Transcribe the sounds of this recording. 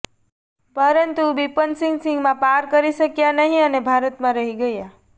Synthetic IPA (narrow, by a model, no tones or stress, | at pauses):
pəɾənt̪uʋipənsɪ̃ŋɡsɪ̃ŋɡmãpaɾkəɾiʃəkjanəɦĩənebʱaɾət̪mãɾəɦiɡəja